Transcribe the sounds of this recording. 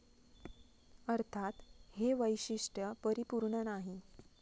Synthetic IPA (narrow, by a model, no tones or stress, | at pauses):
əɾt̪ʰat̪heʋəjɕiʂʈjəpəɾipuɾɳənaɦi